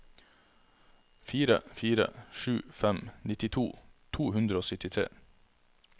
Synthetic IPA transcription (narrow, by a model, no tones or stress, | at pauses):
fiːɾə̰fiːɾə̰ʃʉːfɛmnɪt̪ɪt̪ʰuːt̪ʰuːhʉnd̪ɾəoːsʏt̪ɪt̪ʰɾḛː